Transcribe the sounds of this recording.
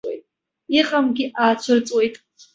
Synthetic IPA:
wḛjtʼ | iqʼamɡʲiʔaːt͡ɕʷʰɨrt͡sʼwejtʼ

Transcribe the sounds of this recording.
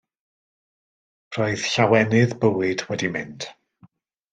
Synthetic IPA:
r̥ɔɨð̥ɬawɛnɨðbəwɪdwɛdimɪnd̥

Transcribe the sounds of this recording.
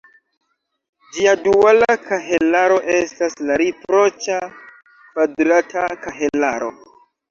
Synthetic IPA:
d͡ʒiadualakaɦelaɾo̞ʔe̞staslaɾipɾo̞t͡ʃa | kvadɾatakaɦelaɾo̞̰

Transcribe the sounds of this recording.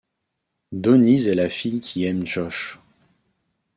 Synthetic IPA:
d̪onizɛlafijkʲʰiɛmʒɔʃ

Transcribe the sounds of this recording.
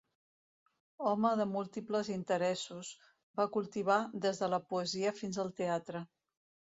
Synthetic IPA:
ɔməðəmulˠt̪ipləzint̪əɾɛsuz | bakulˠt̪iβ̞ad̪ezðələpuəziəfinzəlˠt̪eat̪ɾə

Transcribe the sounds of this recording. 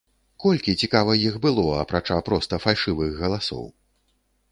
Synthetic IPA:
kɔlʲkʲit͡sʲikavɐjixbɨlˠɔɐpɾat͡ʂapɾɔst̪ɐfalʲʂɨvɨɣːɐlˠasɔ̰w

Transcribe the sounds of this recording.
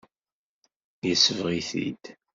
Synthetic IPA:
jəsəvʁiθḭd̪̥

